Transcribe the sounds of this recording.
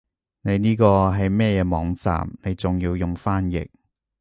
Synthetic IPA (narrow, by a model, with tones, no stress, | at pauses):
ne˨˧jniː˥kɔː˧ɦɐ˨jmɛː˥jɛː˨˧mɔː˨˧˥ŋt͡sa̰ː˨mne˨˧jt͡sʊ˨ŋjiː˧wjʊ˨ŋfaː˥njɪ̰˨k̚